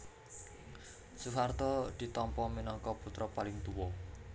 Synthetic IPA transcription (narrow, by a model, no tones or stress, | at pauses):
suɦart̪ɔd̪̥i̤t̪ɔmpɔminɔŋkɔput̪ɾɔpalɪŋt̪uwɔ